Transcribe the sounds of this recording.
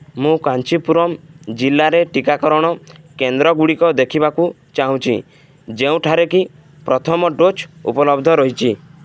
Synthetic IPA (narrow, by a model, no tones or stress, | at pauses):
mũkant͡ʃipuɾɔmd͡ʒilːaɾeʈikakɔɾɔɽ̃ɔkend̪ɾɔɡuɽikɔd̪ekʰibaku | t͡ʃaɦũt͡ʃʰḭ | d͡ʒeũʈʰaɾeki | pɾɔt̪ʰɔmɔɖot͡ʃṵpɔlɔbd̪ʱɔɾɔɦit͡ʃʰi